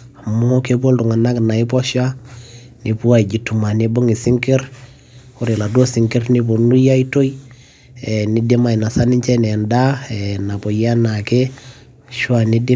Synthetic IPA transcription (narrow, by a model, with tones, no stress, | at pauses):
a˨mo˦ke˦bo˦ltu˨ŋa˨na˦kna˨i˦pɔ˦ʃa˦ | ni˨pu˦a˦i˨d͡ʒi˨tu˨ma˨ni˦bo˦ŋi˨si˦ŋke˦r | ko˦ɾe˨la˨do˦si˨ŋke˦rni˦bo˨nu˦ja˦i˦to˦j | ɛ˨ni˨di˦ma˨i˨na˨sa˦ni˦ɲt͡ʃɛ˦nɛ˨nda˦ɛ˨na˨po˨ja˦na˨ke˦ | ʃwa˦˨ni˦di˦